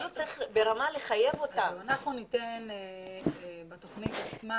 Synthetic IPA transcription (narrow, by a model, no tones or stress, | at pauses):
ut͡saʁiχbe̞ɾamale̞χaje̞vo̞t̪aanaχnunit̪en | bet̪oχnit̪at͡sma